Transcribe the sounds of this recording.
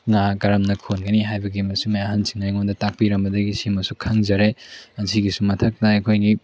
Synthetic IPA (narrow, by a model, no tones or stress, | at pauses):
ŋakaɾɐmnɐkʰonɡɐniɦajbɐɡimɐsumɐjaɦɐnsi̥ŋnajŋondɐtak̚piɾɐmbɐdɐɡisimɐsukʰaŋzɐɾeɐnsiɡisumɐtʰɐk̚tɐːjkʰojni